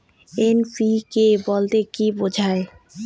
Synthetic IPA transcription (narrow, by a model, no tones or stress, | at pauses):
enpikebolt̪ekibod͡ʑʱae